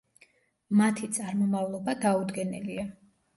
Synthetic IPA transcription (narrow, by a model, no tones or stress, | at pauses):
mat̪ʰit̪sʼaɾmɔmavlˠɔbad̪aud̪ɡɛnɛlia